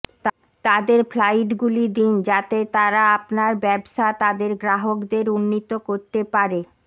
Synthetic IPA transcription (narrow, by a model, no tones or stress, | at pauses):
t̪ | t̪ad̪eɾflajʈɡulid̪ind͡ʑat̪et̪aɾaapnaɾbɛbʃat̪ad̪eɾɡɾaɦokd̪eɾunːit̪okoɾt̪epaɾe